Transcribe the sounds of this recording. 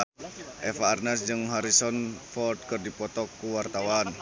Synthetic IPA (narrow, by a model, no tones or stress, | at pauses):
ʔɛfaːrnɛsd͡ʒɨŋɦaɾisɔnfɔrd̪̚kərdipɔt̪ɔkːuwart̪awan